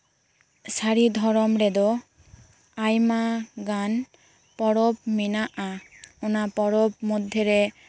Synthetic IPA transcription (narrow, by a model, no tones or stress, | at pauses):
saɾid̪ʱɔɾɔmɾed̪ɔ | ajmaɡan | pɔɽopminaʔaɔnapɔɽopmod̪ʱjeɾe